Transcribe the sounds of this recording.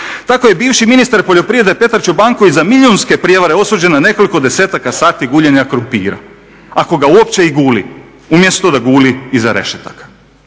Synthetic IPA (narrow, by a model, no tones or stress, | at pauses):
t̪ako̞je̞biːʋʃiminist̪aɾpoʎo̞pɾiʋed̪epe̞t̪aɾt͡ʃubaŋkoʋizamilʎʲjonske̞pɾije̞ʋaɾeo̞suːd͡ʑe̞nane̞ko̞liko̞d̪e̞seːt̪akasaːt̪iɡuːʎenakɾupḭːɾa̰ | ako̞ɡauopt͡ɕe̞iɡuːlḭ | umje̞st̪o̞d̪aɡuːliːzaɾe̞̰ʃet̪akḁ